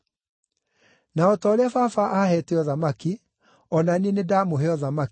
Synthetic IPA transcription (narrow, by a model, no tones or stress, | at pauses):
naɔtɔːɾeafafaʔahɛtɛɔðamaki | ɔnanienedamoɦeɔðama